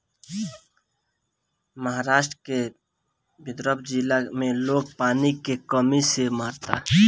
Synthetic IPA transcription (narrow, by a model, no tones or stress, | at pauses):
məɦaːɾaːʃʈɾke | bɪd̪ɾəbd͡ʒilamẽloːɡ̚paːnikekəmisemaːɾt̪a̰ː